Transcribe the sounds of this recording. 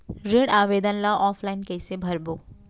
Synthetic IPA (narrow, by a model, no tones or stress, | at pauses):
ɾɪɽaːʋeːd̪ənlaʔɔːpʰlaːɪnkɛːsebʱɐɾboː